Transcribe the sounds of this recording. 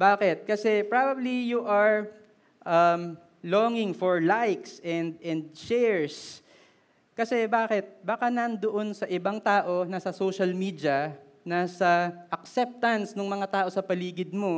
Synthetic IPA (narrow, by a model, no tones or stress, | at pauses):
baːkɛt̪̚kɐsɛpɹaːbɐblijuʔɐɹ | ʔɐm | loːŋɪŋfoɹlajksʔɛnd̪ɛnd̪̚ʃɛɹs | kɐsɛbaːkɛt̪̚bakanɐnd̪oʔo̞nsɐʔɪbaŋt̪aːʔo̞nɐsɐsowʃɐlmiːd̪jɐ | naːsɐʔɐk̚sɛp̚t̪ɐnsnʊŋmɐŋat̪aːʔo̞sɐpɐliːɡɪd̪̚mo̞